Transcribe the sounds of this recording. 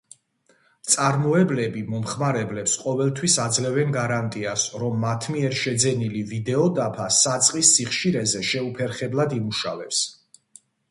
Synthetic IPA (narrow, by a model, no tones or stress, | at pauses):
t̪sʼaɾmɔɛblɛbimɔmχmaɾɛblɛpsqʼɔvɛlˠt̪ʰwisad̪zlɛvɛnɡaɾant̪ʼiasɾɔmːat̪ʰmiɛɾʃɛd̪zɛnilivid̪ɛɔd̪apʰasat̪sʼqʼisːiχʃiɾɛzɛʃɛupʰɛɾχɛblˠad̪imuʃa̰vɛps